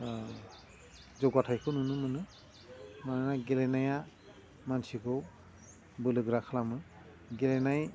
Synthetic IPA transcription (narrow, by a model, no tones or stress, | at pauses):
zɔɡatʰajkʰɯnunɯmɯnɯ | mananaɡelenaja | mansikʰɔ | bɯlɯɡɾakʰlamɯ | ɡelenaj